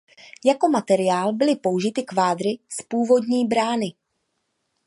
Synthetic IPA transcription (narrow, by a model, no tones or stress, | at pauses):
jako̞mat̪ɛɾɪjaːlbɪlɪpo̞wʒɪt̪ɪkvaːd̪ɾɪspuːvo̞dɲiːbɾaːnɪ